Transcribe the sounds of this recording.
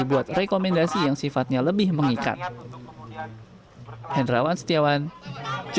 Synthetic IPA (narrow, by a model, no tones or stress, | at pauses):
ibuat̪̚rekomɛndasijaŋsifat̪̚ɲaləbɪhməŋika̰t̪̚ | hɛndɾawansə̥t̪iawand͡ʒ